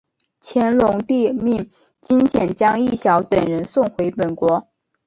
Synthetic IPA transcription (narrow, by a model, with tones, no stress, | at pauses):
t͡ɕʰjɛ˧˥nlʊ˧˥ŋt̪i˥˧mi˥˩ŋ | t͡ɕi˥ŋt͡ɕʰjɛ˧˥nt͡ɕjɑ˥ŋi˥˩ɕjɑ˧˥ʊt̪ə˨˩ŋɻə˧˥nsʊ˥˩ŋxwe˧˥ɪpə˨˩nkwɔ˧˥